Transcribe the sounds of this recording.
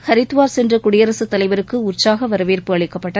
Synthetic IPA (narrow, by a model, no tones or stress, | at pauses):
hɐɾɪt̪ːɯʋaːɾsɛndrɐkʊɽɪjɐɾɐsɯt̪ːɐlɐɪʋɐɾɯkːɯʊrt͡ʃsaːɣɐʋɐɾɐʋeːrpɯɐɭɪkːɐpːɐʈːɐ